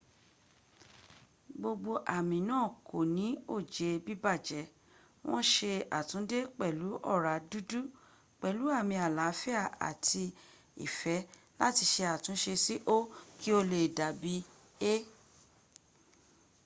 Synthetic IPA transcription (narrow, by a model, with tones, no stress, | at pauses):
ɡ͡bo˧ɡ͡bo˧ʔa˨mĩ˨nãː˦˨ko˨nĩ˨˦o˦˨d͡ʒe˨˧bi˦ba˦˨d͡ʒɛ˨˦ | wʔɔ̰̃˦ʃe˧a̰˨tũ˨˦de˦k͡pɛ˦˨lu˨˦ʔɔ˦˨ɾa˨˦du˦du˦ | k͡pɛ˨lu˨˦a˦˨mĩ˧a˨la˨˦fɛ˦a˦˨a̰˨tʰi˧ | ḭ˨fɛ˨˦ | la˦ti˧ʃe˧a˨tũ˨˦ʃe˧si˦ʔo˦ki˦o˧le˨da˨bi˦ | e˦